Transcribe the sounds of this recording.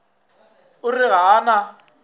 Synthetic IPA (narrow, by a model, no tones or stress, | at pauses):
ʊrɪɣaːna